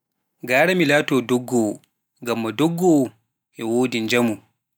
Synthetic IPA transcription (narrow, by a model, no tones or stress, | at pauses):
ɡaːɾamilaːtɔːdɔɡːɔ | ŋɡamːadɔɡːɔ | ʔɛwoːdind͡ʒamu